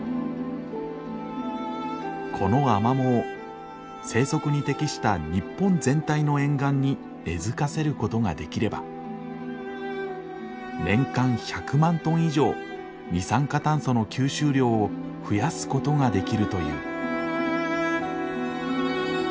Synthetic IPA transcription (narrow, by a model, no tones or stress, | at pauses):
kʰo̞no̞amamo̞ː | se̞ːso̞kɯ̟ɲ̟it̪e̞kʲiɕi̥t̪aɲ̟ipːõ̞nzẽ̞nt̪aino̞ẽ̞ŋɡãɲ̟ːi | e̞zɨkase̞ɾɯ̟ko̞t̪o̞ɡa̰d̪e̞kʲiɾe̞ba̰ | nẽ̞ŋkãɰ̃çakɯ̟mãnt̪õ̞ɰ̃iʑo̞ː | ɲʲisãŋkat̪ãɰ̃so̞no̞kʲɨːɕɨːɾʲo̞ː | ɸɯ̟jasɨ̥ko̞t̪o̞ŋad̪e̞kʲiɾɯ̟t̪o̞jɯ̟̰ː